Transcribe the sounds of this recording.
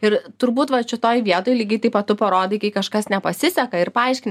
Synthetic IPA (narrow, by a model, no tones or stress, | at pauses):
ɪɾt̪ʊɾbuːt̪ʋɐʃʲɪt̪oːjʋʲiɛt̪oːjlʲiːɡɐɪt̪ɐɪpʋɐt̪ʊpɐɾoːd̪ɐɪkɐɪkɐʃkɐsnʲɛpɐsʲɪsʲɛkɐɪɾpɐɐɪʃʲkʲɪn